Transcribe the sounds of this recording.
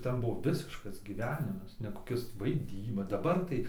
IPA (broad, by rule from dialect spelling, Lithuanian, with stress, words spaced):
ˈtʲɛn ˈbʊʋoː ˈʋʲɪsʲɪʃkɐs ɡʲiːˈʋʲæːnʲɪmɐs nʲɛ koːˈkʲɪs ʋɐɪˈdʲiːbɐ dɐˈbɐr tɐɪ